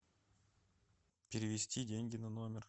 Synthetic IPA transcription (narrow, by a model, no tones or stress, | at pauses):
pʲɪɾʲɪvʲɪsʲtʲidʲenʲɡʲɪnanomʲɪr